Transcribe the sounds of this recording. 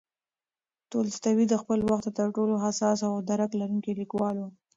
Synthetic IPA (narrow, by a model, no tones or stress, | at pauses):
t̪olst̪awid̪əxpəlwaxt̪̚ət̪əɾʈoloɦasɑsawd̪aɾaklaɾuŋkilikwɑlu